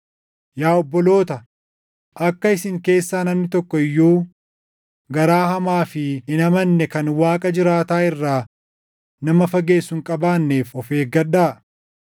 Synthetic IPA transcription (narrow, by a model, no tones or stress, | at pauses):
jaːɔbːɔlo̞ːt̪ɐ | ʔɐkːɐɪsɪŋke̞ːsːaːnɐmnɪt̪ɔkːɔɪjːuː | ɡɐɾaːhɐmaːfɪɪnɐmɐnːɛkɐnwaːkʼɐd͡ʒɪɾaːt̪aːɪrːaː | nɐmɐfɐɡe̞ːsːʊŋkʼɐbaːnːe̞ːfɔfe̞ːɡɐɗːaː